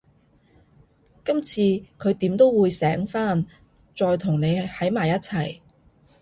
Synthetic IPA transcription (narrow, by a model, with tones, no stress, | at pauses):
kɐ˥mt͡sʰiː˧kʰɵ˨˧ɥt̪iː˨˥mt̪o˥wwuː˨˧jsɛː˨˥ŋfaː˥n | t͡sɔː˧jt̪ʰʊ˨˩ŋne˨˧jhɐ˨˥jmaː˨˩jɐ˥t̚t͡sʰɐ˨˩j